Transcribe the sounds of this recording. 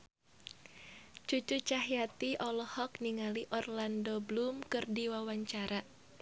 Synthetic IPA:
t͡ʃut͡ʃut͡ʃaɦjat̪iʔɔlɔhɔk̚niŋaliʔɔrlandoblumkɨrdiwawaɲt͡ʃaɾa

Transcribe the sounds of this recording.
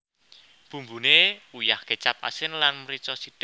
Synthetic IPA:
b̥ṳmbṳneujahket͡ʃap̚a̰sɪnlanməɾit͡ʃɔsid̥

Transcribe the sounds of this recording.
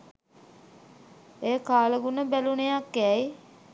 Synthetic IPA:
eːkaːləɡunəbælunejakːɛj

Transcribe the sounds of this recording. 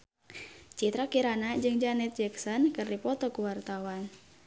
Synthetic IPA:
t͡ʃit̪ɾakiɾanad͡ʒɨŋd͡ʒanɛt̪̚d͡ʒɛksɔnkɨrdipɔt̪ɔkuwart̪awan

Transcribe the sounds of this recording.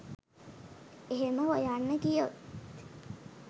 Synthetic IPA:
eɦeməɦojanːəkijo̰t̪

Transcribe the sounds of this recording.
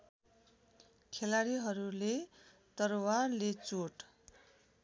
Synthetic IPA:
kʰelaɾiɦʌɾule | t̪ʌrwarlet͡soʈ

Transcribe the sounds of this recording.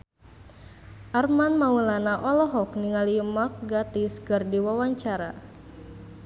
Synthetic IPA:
ʔarmanmaulanaʔɔlɔɦɔkniŋalimak̚ɡat̪iskɨrdiwawaɲt͡ʃaɾa̰

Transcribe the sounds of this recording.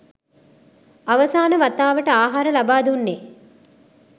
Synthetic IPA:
ɐʋɐsaːnəʋɐt̪ːaːʋəʈəaːɦaːɾəlɐbaːd̪unːe

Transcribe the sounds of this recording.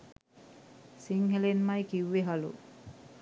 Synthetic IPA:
siŋhelenmajkiwːeɦalṵ

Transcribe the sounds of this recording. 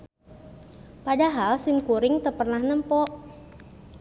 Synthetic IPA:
padaɦalsimkuɾɪŋt̪ərpərnahnəmpɔʔ

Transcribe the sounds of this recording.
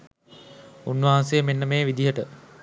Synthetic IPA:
unːʋaɦansejəmenːəmeːʋid̪iɦəʈə

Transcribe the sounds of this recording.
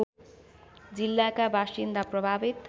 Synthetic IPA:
d͡zilːakabʱasind̪aprʌbʱabit̪

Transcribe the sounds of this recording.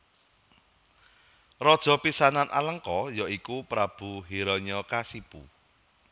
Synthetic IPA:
rɔd̥ʒ̥ɔ̤pisananʔa̰ləŋkɔjɔikupɾab̥ṳɦiɾɔɲɔkasipṵ

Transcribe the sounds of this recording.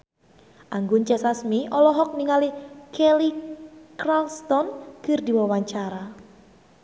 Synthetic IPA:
ʔaŋɡʊnt͡ʃɛsasmiʔɔlɔɦɔk̚niŋalikɛlikralst̪ɔnkɨrdiwawaɲt͡ʃaɾa

